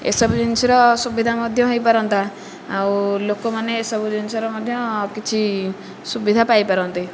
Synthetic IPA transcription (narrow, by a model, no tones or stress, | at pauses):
ḛsɔbud͡ʒinsiɾɔsubid̪ʱamɔd̪ʱjɔɦojpaɾɔnt̪a | awlokomaneːsɔbud͡ʒinsɔɾɔmɔd̪ʱjɔkit͡ʃʰi | subid̪ʱapajpaɾɔnt̪i